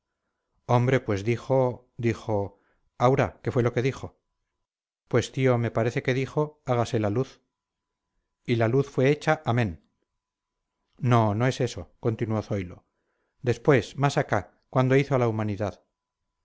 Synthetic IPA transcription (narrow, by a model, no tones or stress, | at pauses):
o̞mbɾe̞pwe̞zðixo̞ | d̪ixo̞ | awɾake̞fwe̞lo̞ke̞ðixo̞ | pwe̞st̪io̞me̞paɾe̞θe̞ke̞ðixo̞aɣase̞laluθ | ilaluθfwe̞et͡ʃaʔamẽ̞n | no̞no̞e̞se̞so̞ko̞nt̪inuwo̞θo̞jlo̞̰ | d̪e̞spwe̞smasaka | kwand̪o̞iθoalaumaniðað